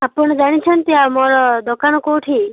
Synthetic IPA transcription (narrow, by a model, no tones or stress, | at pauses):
apɔɳ̃ɔd͡ʒaɽ̃it͡ʃʰənt̪iamɔɾɔd̪ɔkanɔkoʈʰi